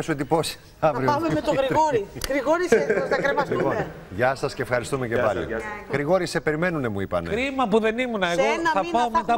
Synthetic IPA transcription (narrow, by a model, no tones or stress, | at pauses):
esued̪ipo̞si̥ | ɐvɾioɐmemet̪oɣɾiɣoɾiɣɾiɣoɾisɐkɾemɐlipon | ʝɐsɐsceːfxɐɾist̪umecepɐlḭɣɾiɣo̞ɾise̞pe̞ɾime̞nunemuipɐneɾimɐpuðe̞nimunɐeɣo̞θɐpɐomet̪ɐ